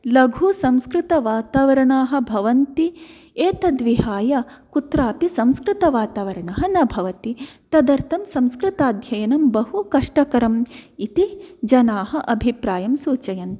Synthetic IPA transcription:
lɐɡʱusɐmskɾɪt̪ɐʋaːt̪aːʋɐɾɐɳaːɦɐ̆bʱɐʋɐnt̪i | eːt̪ɐd̪ʋiɦaːjɐkut̪ɾaːpisɐmskɾɪt̪ɐʋaːt̪aːʋɐɾɐɳɐɦɐnɐbʱɐʋɐt̪it̪ɐd̪ɐɾt̪ʰɐmsɐ̃mskɾɪt̪aːd̪ʱjɐjɐnɐmbɐɦukɐʂʈɐkɐɾɐmit̪id͡ʒɐnaːɦɐʔɐbʱipɾaːjɐmsuːt͡ʃɐjɐn

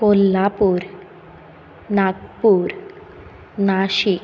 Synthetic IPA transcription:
kolːapuɾ | naɡ̚puːɾ | naɕi

